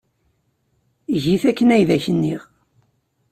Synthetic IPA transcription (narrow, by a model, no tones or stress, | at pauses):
ʝiθækːənæjðæçənːiʁ